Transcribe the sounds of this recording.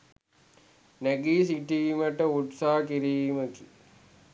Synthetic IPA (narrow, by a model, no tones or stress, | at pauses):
neɡiːsiʈiːməʈəuʈsaːkiɾijməki